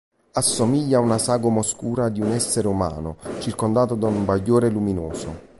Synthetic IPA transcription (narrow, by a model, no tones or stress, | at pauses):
asːomiʎːaunasaːɡomoskuːɾad̪iunɛsːeɾeuma̰ːnʊ̰t͡ʃirkond̪aːt̪od̪aumbaʎːoːɾeluminoːso̰